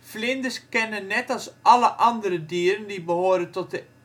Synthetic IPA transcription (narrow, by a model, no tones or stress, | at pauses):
flɪndəskɛnənːɛtɑlˠsʔɑləʔɑndəɾədiəɾəndibəhoːɾəntɔt̚ə